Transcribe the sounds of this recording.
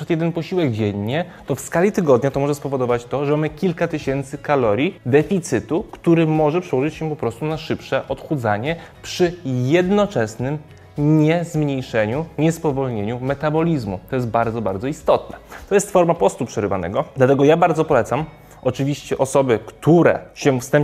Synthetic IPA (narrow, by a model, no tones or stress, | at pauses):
at̪jɛd̪ɛnpɔɕiwɛɡd͡ʑɛɲːɛ | t̪ɔfskalʲit̪ɘɡɔd̪ɲat̪ɔmɔʐɛspɔvɔd̪ɔvat͡ɕt̪ɔʐɛmamɘkʲilkat̪ɘɕɛnt̪sɘkalɔɾʲjid̪ɛfʲit̪sɘt̪ukt̪uɾɘmɔʐɛpʂɛwɔʐɘt͡ɕɕɛpɔpɾɔst̪unaʂɘpʂɛʔɔt̪xud̪zaɲɛ | pʂɘjɛd̪nɔt͡ʂɛsnɘm | ɲɛzmɲejʂɛɲuɲɛspɔvɔlɲeɲumɛt̪abɔlʲizmṵt̪ɔjɛst̪̚baɾd̪zɔba̰ɾd̪zɔist̪ɔt̪nɛt̪ɔjɛst̪fɔɾmapɔst̪upʂɛɾɘva̰nɛ̰ɡɔd̪lat̪ɛɡɔjabaɾd̪zɔpɔlɛt̪sam | ɔt͡ʂɘvʲiɕt͡ɕɛʔɔsɔbɘkt̪uɾɛ̰ɕɛfst̪ɛmp